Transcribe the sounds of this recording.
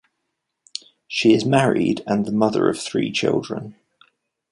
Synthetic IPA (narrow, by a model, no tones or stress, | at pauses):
ʃiɪzmaɹɪ̰də̃nðəmʌðə̰ɹə̰v̥θɹḭːt͡ʃʰɪ̰lˠdɹə̰̃n